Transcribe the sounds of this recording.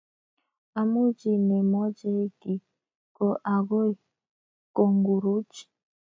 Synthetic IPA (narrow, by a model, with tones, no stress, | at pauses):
a˨mu˦d͡ʒi˨ne˨mɔ˦d͡ʒe˦ti˨ | kɔ˨ʔa˨ɡo˦i˨ | ko˨ŋɡu˨ɾu˦t͡ʃi̥˨